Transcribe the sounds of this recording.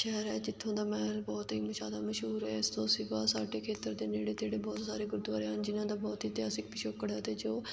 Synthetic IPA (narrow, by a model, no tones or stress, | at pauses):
ʃɛɦɾɛ̰ːd͡ʒɪt̪ʰːõːd̪aːmɛːlbɔːt̪ɦiːməʃaːd̪aːməʃɦuːɾɦɛːɪst̪õːsɪʋaːsaːɖeːkʰeːt̪əɾd̪eːneːɽeːt̪eːɽeːbɔːt̪saːɾeːɡʊɾd̪ʋaːɾeːɦənd͡ʒɪnãːd̪aːbɔːt̪ɦiːt̪jaːsɪkpɪʃoːkːəɽaːt̪eːd͡ʒoː